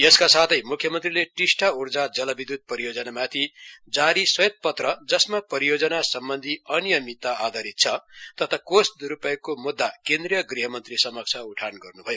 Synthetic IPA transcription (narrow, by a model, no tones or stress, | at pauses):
jeskasat̪ʰʌjmukʰjʌmʌnt̪rileʈisʈʰaurd͡zad͡zʌlʌbid̪ud̪̚pʌɾijod͡zʌnamat̪ʰid͡zaɾiswʌjet̪̚pʌt̪rʌd͡zʌsmapʌɾijod͡zʌnasʌmbʌnd̪ʱiʌnijʌmit̪ːaad̪ʱaɾit̪̚t͡sʰʌt̪ʌt̪ʰakosd̪uɾupajkomud̪ːakend̪rijʌɡriɦʌmʌnt̪risʌmʌk̚sʰauʈʰanɡʌrnubʱʌjo